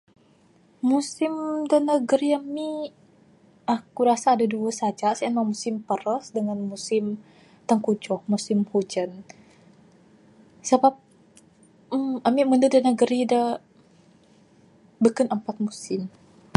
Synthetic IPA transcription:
musɪmdənəɡəɾiami | ʔakuɾasaːdaduəsad͡ʒasaənmamusɪmpəɾəsdəŋanmusɪm | t̪əŋkud͡ʒɔhmusɪmhud͡ʒan | səbap̚ | amiməndədənəɡəɾida | bəkənəmpat̪̚musɪm

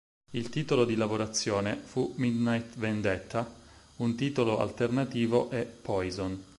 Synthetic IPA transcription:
ilt̪iːt̪olod̪ilavoɾat̪sːjoːnefumid̪najt̪vend̪et̪ːa | unt̪iːt̪oloa̰lt̪ernat̪iːvoʔɛpʰːɔjzon

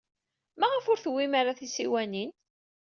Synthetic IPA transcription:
mæʁəfʊɾθwːimaɾaθisiwænin

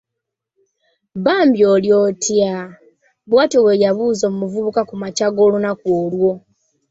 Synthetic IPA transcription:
βaːmbjo̞ːljo̞tʰja | βwaːtewejaβuːzomumuvuβukakumacaɡo̞ːlunakwoːlwo̞

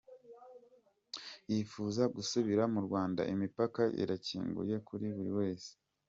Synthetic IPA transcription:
jifuːzaɡusuβiɾamuɾɡwaːnda̰ʔimipakaʔḭɾacḭːŋɡṵje̞kuɾiβuɾḭwe̞ːse̥

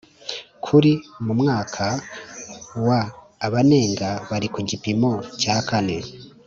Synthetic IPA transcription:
kʰuɾimumŋaːkʰa | waː | βane̞ːŋɡaβaɾikuɟipimo̞caːkane̞

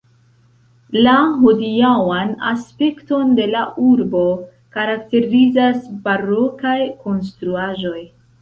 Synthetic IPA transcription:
laɦodiawana̰spe̞kto̞nde̞laʔuɾbo̞ | kaɾak̚te̞ɾizasbaɾo̞kajko̞nstɾuaʒo̞j

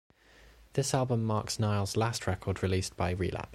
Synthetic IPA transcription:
ðɪsalˠbə̃mːɑˑksnaɪlˠz̥lastʰɹɛkʰɔːdɹɪliˑsb̥aɪɹḭːlʔa̰p

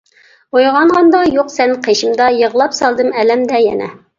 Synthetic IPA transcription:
ojʁɑɴʁɑnd̪ɑjoqsɛnqʰeʃɪmd̪ɑjəʁlˠɑpsɑlˠd̪ɨmɛlɛmd̪ɛjɛ̰nɛ̰

